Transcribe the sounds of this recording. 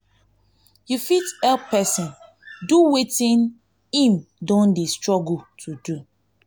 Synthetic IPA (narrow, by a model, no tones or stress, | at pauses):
jufitɛlpɛsɔ̃n | duwetĩn | ĩmdɔ̃ndestɹɔɡultʰudu